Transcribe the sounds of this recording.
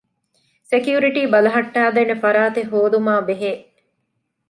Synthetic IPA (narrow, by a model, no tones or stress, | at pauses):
sekjuːɾiʈiːbɐlɐɦɐʈːaːd̪enefɐɾaːt̪eɦoːd̪umaːbeɦeː